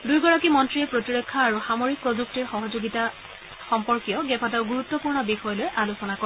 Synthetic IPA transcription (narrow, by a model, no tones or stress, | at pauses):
dujɡɔɹakimɔntɹiɛpɹotiɹɔkʰːaːɹuxamoɹik̚pɹozuk̚tiɹxɔɦɔzoɡita | xɔmpɔɹkijɔɡɛpʰataʊɡuɹut̪ːɔpuɹnɔbixɔjɔlojʔalusɔnakɔ